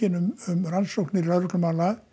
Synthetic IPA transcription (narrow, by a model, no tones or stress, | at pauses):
ɪnʏmʏmransowknɪraðɾʏt̪lʏmaːla